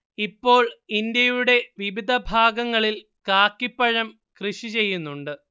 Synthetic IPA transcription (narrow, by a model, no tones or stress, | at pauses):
ipːo̞ːɭind̪jɐjuɽe̞ʋiʋid̪ʱɐbʱaːɡɐŋːɐɭil | kaːkːipːɐɻɐm | krɨɕit͡ɕe̞jːunːuɳɖɨ